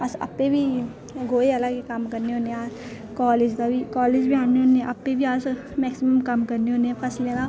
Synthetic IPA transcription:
asɐ̰pːebʱi | ɡʱoːeɐlaɡekamkɐɾneoːneaː | kɔːleːd͡ʒd̪abʱikaːleːd͡ʒbʱiaːneɦõːneɛ̃ʔɐpːebʱiaːs | mɛːksiməmkɐmkɐɾneɦõneɛ̃pʰɐsleːna

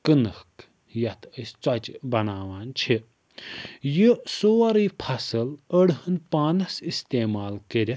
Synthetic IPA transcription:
kɨnɐk | jɐt̪əsʲt͡swɐt͡ʃbɐnaːʋaːnt͡ʃʰi | jisoːɾiːpʰɐsɨləɽɦɨnpaːnɐsist̪eːmaːlkəɾʲɐ

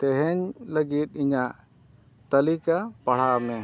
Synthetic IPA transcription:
t̪ɛɦɛɲləɡit̪̚ˀiɲaʔ | t̪əlikapɐɽ̤amɛ

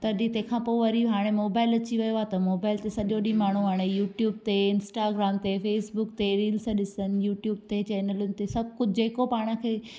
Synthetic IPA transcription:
t̪ɐɗĩt̪ɐ̃ɦkʰãːpoːʋɐɾiɦaːɽ̃emoːbaːɪlɐt͡ɕiʋɐjoaːt̪ɐmoːbaːɪlt̪esɐɗoɗĩmaːɳ̤uɦaːɽ̃ejuːʈjuːb̚t̪eɪnsʈaːɡɾaːmt̪efeːsbʊkt̪eɾiːlsãɗɪsənɪ̆juːʈjuːb̚t̪et͡ɕɛːnəlʊnɪ̆t̪esɐb̚kʊd͡ʑʱd͡ʑeːkopaːɽ̃əkʰeː

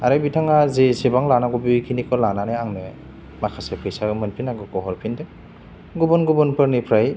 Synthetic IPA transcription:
aɾabitʰaŋazesebaŋlanaɡɔbikʰinikʰɔlananeaŋnɯ | makʰasepʰɯjsamɯnpʰinaɡɔkɔɦɔɾpʰinde | ɡubɔnɡubɔnpʰɯɾnipʰɾaj

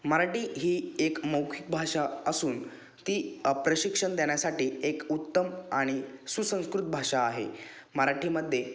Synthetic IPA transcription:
məɾaʈiːɦiːekməwkʰik̚bʱaʂaəsuːn | t̪iːpɾəɕikʂəɳd̪eɽ̃jasaʈiːekut̪ːəmaɽ̃isusə̃skɾut̪̚bʱaʂaːɦḛ | məɾaʈiːməd̪ʱːje

